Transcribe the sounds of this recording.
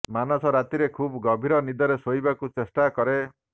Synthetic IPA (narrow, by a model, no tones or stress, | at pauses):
manɔsɔɾat̪iɾekʰubɔɡɔbʱiɾɔnid̪ɔɾesoibakut͡ʃesʈakɔɾe